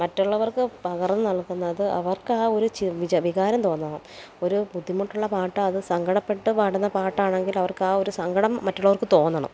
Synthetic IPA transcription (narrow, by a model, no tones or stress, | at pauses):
mɐtːuɭːɐʋɐrkɨpɐɣɐrɐnːɨnɐɭkːunːɐðɨɐ̰ʋɐrkaːo̞ɾut͡ɕiʋid͡ʑɐʋiɣaːɾɐmt̪o̞ːnːɐːɳɐm | o̞ɾubud̪ʱːimuʈːuɭːɐpaːʈːɨɐðɨsɐŋɡɐɽɐpːe̞ʈːɨpaːʈunːɐpaːʈːaːɳe̞ŋɡilɐʋɐrkaːo̞ɾusɐŋɡɐɽɐmːɐtːuɭːɐʋɐrkɨt̪o̞ːnːɐɳɐ̰m